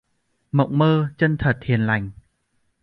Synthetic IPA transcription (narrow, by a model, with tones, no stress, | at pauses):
mə̰˧˨wŋ͡mməː˧t͡ɕə˧nt̪ʰə˨˩t̚hi˨˩ənla˨˩jŋ̟